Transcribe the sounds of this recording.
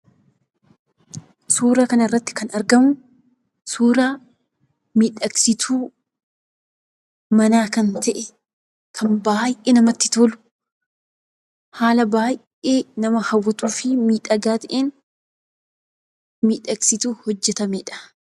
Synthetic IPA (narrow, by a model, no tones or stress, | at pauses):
suːɾaːkɐnɐɪrːɐt̪ːɪ̥kɐnɐɾɡɐmʊ | suːɾaː | miːᶑɐksɪt̪ʰuː | mɐnaːkɐnt̪ɐʔɛ | kʰɐnbaːjʔeːnɐmɐt̪ːɪ̥t̪oːlʊ̥ | haːlɐbaːjʔeːnɐmɐhɐwːɐt̪uːfɪmiːᶑɐɡaːt̪ɐʔeːn | miːᶑɐksɪt̪uːhɔd͡ʒːɛt̪ɐmeːᶑɐ̥